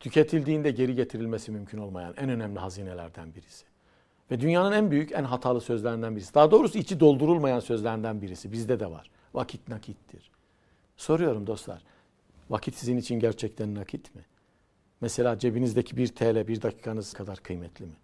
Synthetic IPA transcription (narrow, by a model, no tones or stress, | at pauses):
t̪ʰycʰe̞t̪ʰilʲd̪iːnd̪ɛɟe̞ɾiɟe̞t̪ʰiɾilʲmesimymcʰyno̞lˠmaja̰nænø̞næmlʲiɦaziːnelʲæɾd̪ænbiɾisi̥ | vɛd̪ynjaːnɯnænbyjycænɦat̪ʰaːlˠɯsø̞zlʲeɾind̪ænbiɾisid̪aːd̪o̞ːɾusuit͡ʃʰid̪o̞lˠd̪uɾulˠmajansø̞zlʲæɾind̪ænbiɾisibizd̪ɛd̪ɛva̰ɾ̥ | vakʰit̪nakʰit̪d̪ḭɾ̥ | so̞ɾujo̞ɾumd̪o̞slˠa̰ɾ̥ | vakʰit̪sizinit͡ʃʰinɟæɾt͡ʃʰɛct̪ʰænːakʰit̪mɪ | mɛse̞lʲaːd͡ʒe̞binizd̪ecʰibiɾt̪ʰeːlʲɛbiɾd̪acʰiːkʰanɯzkʰad̪aɾkʰɯjmɛt̪ʰlʲimi